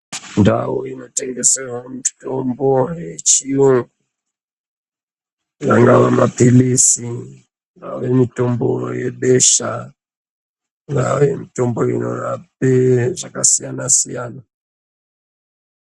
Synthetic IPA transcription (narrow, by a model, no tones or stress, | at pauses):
ndawuino̞teŋɡesewamitombojet͡ʃiuŋɡu | jaŋɡaʋamapilisi | ŋɡa̰ṵjemito̞mbojeɓeʃa | ŋɡa̰jemitomboino̰jap̚eʐakasijanasijaːna